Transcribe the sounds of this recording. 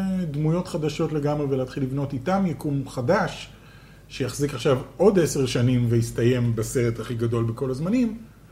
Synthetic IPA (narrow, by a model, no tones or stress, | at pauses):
dmujo̞tχadaʃo̞tle̞ɡamʁeveleːtχilːivno̞titamjekumχadaʃː | ejaχzikaχʃavo̞deseʁʃanimveistaje̞mbase̞ʁethaχiɡado̞lbeko̞lazmanim